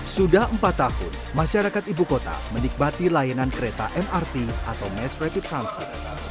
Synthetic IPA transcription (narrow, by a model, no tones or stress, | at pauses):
sudahəmpat̪ːahʊ̰n | maʃaɾakat̪ibukot̪a̰mənik̚mat̪ilajanankəɾet̪aʔɛmʔart̪iʔa̰t̪awmɛsrɛpit̪ɾansḭ